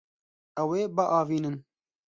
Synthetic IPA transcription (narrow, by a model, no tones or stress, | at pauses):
ɛweːbəʔɑːviːnɨn